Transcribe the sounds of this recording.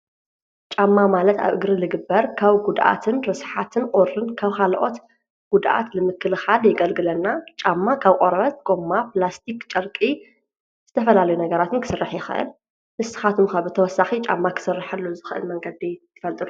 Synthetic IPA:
t͡ʃʼamːamalɐt̪a̰βʔɨɡɾɨlɨɡɨbːɐɾkʰaβɡud̪ʔa̰t̪ʰɨnɾɨsħat̪ʰɨnqʼoɾːɨnkʰaβkʰalʔo̞̰t̪ | ɡ̥ud̪ʔa̰t̪lɨmɨkʰːɨlɨxaljɪɡɐlɡɨlɐnːat͡ʃʼamːakʰaβqʼoɾɐβɐt̪̚ɡʼomːaplast̪ʰikt͡ʃʼɐɾkʼi | z̥ɨt̪ʰɐfɐlalɐjunɐɡɐɾat̪ɨnkʰɨ̥sɨrːɨħjɪxɨʔɨ̰l | nɨst̪ɨ̥xat̪ʰumkaβɨt̪ʰɐwɔsːaxit͡ʃʼa̰mːakʰɨ̥sɨrːɨħɐlːozɨxɨʔɨ̰lmɐŋɡɐd̪it̪ʰːɨ̥fɐlt̪ʼɨlu

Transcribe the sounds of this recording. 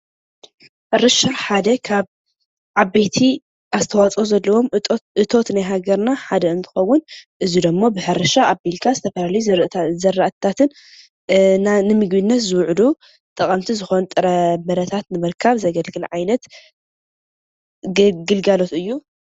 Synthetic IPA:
ħɨɾɨʃɨɾħad̪ɐkʰaβ | ʕabejt̪ʰi | ʔazɨt̪ʰɐwat͡sʼozɐlːɐwo̞mʔɨt̪ʰo̞t̪najɦaɡɐɾnaħad̪ɐɨnt̪ʰɨ̥xɐwːʊnʔɨzid̪ɐmːobɨħɨɾɨʃaʔabilkʰazɨt̪ʰɐfɐlalɐjuzɐɾaʔt̪ʰːat̪ʰɨn | nanɨmɨɡbinːɐt̪zɨwʕd̪u | t̪ʼɐkʼɐmt̪ʰizɨxont̪ʼɨɾɐmɐɾɐt̪ʰat̪nɨmɨɾkʰaβzɐɡɐlɡɨlʕajnɐt̪ | ɡɨlɡalo̞t̪ɨjːu

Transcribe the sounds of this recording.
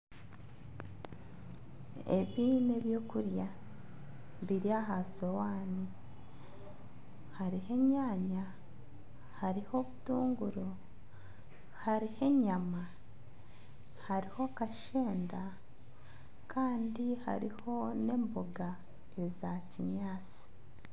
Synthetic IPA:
e̞̰βiːne̞βjo̞ːkuɾja | βiɾjaːɦasowaːni | haɾihe̞ɲaːɲa | haɾiho̞βutuːŋɡuɾo | haɾihe̞ɲama | haɾiho̞kaʃeːnda | kaːndiha̰ɾḭho̞ne̞mboɡa | e̞ɾizaciɲaːt͡si̥

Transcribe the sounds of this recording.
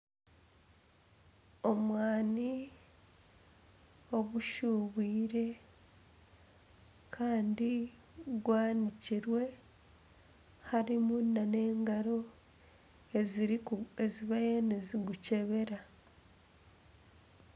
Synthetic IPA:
o̞mwaːni | o̞ɡuʃuβiːɾe̞ | kʰaːndi | ɡwaːniciɾwe̞ | haɾimunːane̞ːŋɡaɾo̞ | e | e̞ziβajeneziɡuce̞βe̞ɾa

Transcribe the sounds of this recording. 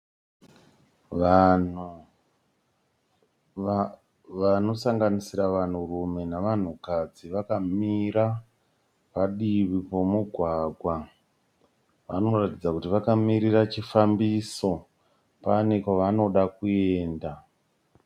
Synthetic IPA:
ʋanu | ʋano̞saŋɡanisiɾaʋan̤urume̞naʋan̤ukad͡ziʋakamiɾa | paɗiβipo̞muɡʱwaːɡʱwa | ʋano̞ratid͡zakutiʋakamiɾirat͡ʃifambiso̞ | pane̞kaʋano̞ɗakueːnda

